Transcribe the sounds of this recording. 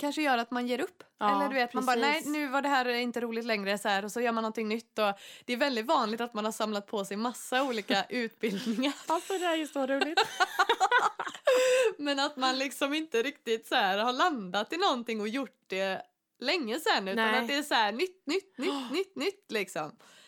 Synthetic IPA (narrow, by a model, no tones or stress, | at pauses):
kʰanʂəjœːɾat̪manjeːɾɵpːɛlːəɖ̪ʉveːt̪manbɑːɾnɛɪnʉ̟ːvaɖɛɦæːɾɪnt̪əɾuːlɪɡt̪lɛŋɾəsɔhæːɾɔsɔjœːɾmanːɔnt̪ʰɪŋnʏt̪ːɔd̪̥ɛːɾvɛld̪ɪt̪vɑːnlɪɡt̪at̪manhaʂamlat̪̚pʰɔsɛjmasːauːliːkaʔʉ̟ːt̪bɪld̪nɪŋaɾalsɔd̪ɛæɾjɵsoːɾuːlɪ | mɛnat̪manlɪksɔmɪnt̪əɾɪkt̪ɪt̪sæːɾhaɾɭand̪at̪ːɪnɔnt̪ɪŋːɔjʊʈd̪ɛ | lɛŋːəsɛnːʉ̟ːanat̪d̪ɛːsɔæːɳʏt̪ːnʏt̪ːnʏt̪ːnʏt̪ːnʏt̪ːlɪksɔm